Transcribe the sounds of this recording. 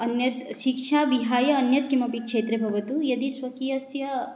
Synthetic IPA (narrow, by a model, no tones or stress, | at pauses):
ɐnjɐt̪ʃikʂaːʋiɦaːjɐːnjɐt̪kimɐpikʂeːt̪ɾebʱɐʋɐt̪ujɐd̪isʋɐkijɐsjɐ